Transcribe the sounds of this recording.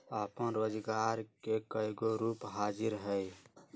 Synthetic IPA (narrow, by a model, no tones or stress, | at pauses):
əpənɾoːd͡ʒɡaɾkekəjɡoɾuːpɦad͡ʒiɾɦəj